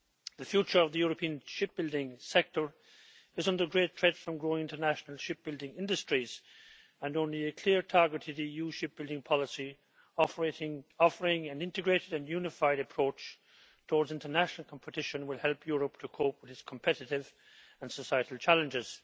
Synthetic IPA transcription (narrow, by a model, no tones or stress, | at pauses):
ðɨfjut͡ʃə˞ʌvðəjɔɹəpʰĩɨ̃nʃɪp̚b̥ɪlˠdɪ̃ŋsɛk̚tə˞ | ɨzʌ̃ndə˞ɡɹetʰɹ̥ɛd̥fɹʌ̃mɡɹoɪ̃ŋɪ̃ntə˞næʃnəlˠʃɪp̚b̥ɪlˠdɪ̃ŋɪ̃ndɨstɹ̥iz̥ | ə̃nõʊ̃nliɨkʰl̥ɪɹtʰɑɹɡɨɾɨðiijuʃɪp̚b̥ɪlˠdɪ̃ŋpʰɑlˠəsi | ɔfeɾɪ̃ŋɔfə˞ɪ̃ŋɨ̃nɪ̃ntɨɡɹeɪɾɨɾɨ̃njʉnɨfaɪɾɨpʰɹ̥oʊt͡ʃ | tʰɔːɹdzɪ̃ntə˞næʃnl̩ˠkʰɑ̃mpʰətʰɪʃə̃nwɪlˠhɛlˠpʰjʊɹəp̚tʰəkʰoʊp̚wɨðɨtskʰm̩pʰɛɾɨɾɪv | ə̃nsəsaɪɨɾl̩ˠt͡ʃʰælˠɨ̃nd͡ʒɪz̥